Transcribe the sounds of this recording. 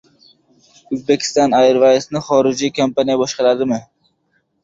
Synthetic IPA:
ɵzbekʲʰɪ̥st̪ɒnajɾvajsnɪχɒɾɪd͡ʒiːkʰompʰanijabɒʃqɑɾad̪ɪmɪ

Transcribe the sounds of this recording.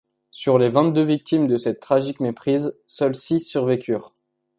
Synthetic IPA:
syʁlevɛ̃t̪̚d̪øvik̚t̪imd̪əsɛt̪ːχaʒikmepχizsœlsisːyʁvekʲʰyːʁ

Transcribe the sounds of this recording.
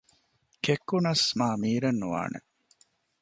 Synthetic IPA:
kekːunɐsmaːmiːɾenːuʋa̰ːnḛ

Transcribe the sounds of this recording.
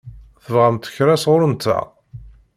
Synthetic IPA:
θəvʁæmt̪ə̥çɾæsʁʊɾənt̪ːæ̰

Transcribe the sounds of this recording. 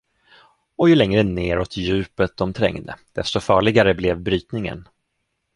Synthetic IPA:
ɔjɵlɛŋɾəneːɾɔt̪jʉ̟ːpət̪̚d̪ɔmt̪ʰɾɛ̰ŋd̪ə̰d̪̥ɛst̪ɔfɑːɭɪɡaɾəblɛvbɾyːt̪nɪŋə̰n

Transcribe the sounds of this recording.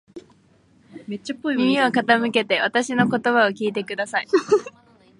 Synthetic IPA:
met͡ɕːapːoimimʲio̞kat̪amɯ̟ke̞t̪e̞βat̪aɕino̞ko̞t̪o̞βao̞kʲiːt̪e̞kɯ̟d̪asai

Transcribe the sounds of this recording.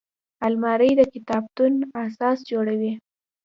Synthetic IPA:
almɑɾəjd̪əkɪt̪ɑb̚t̪unasɑsd͡ʒoɽawi

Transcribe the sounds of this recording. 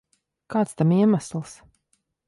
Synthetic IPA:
kaːt̪st̪amiɛmaslˠs

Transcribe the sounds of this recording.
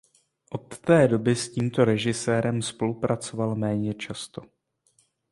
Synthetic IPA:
ʔo̞t̪ːɛːdo̞bɪsciːmt̪o̞ɾɛʒɪsɛːɾɛmspo̞lupɾʔat͡so̞valmɛːɲɛt͡ʃast̪o̞

